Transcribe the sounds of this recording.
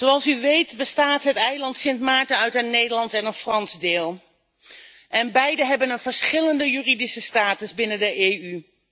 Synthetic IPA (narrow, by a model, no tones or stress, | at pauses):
zowɑlˠsyʋejtbəstaːtɦətɛjlɑntsɪntmaːɹtəœɥtənːejdəɹlɑntɛnənfrɑnzdɪːlˠ | ʔɛnbɛjdəɦɛbənənv̥əɹsχɪləndəjyridisəstaːtəzbɪnəndəʔey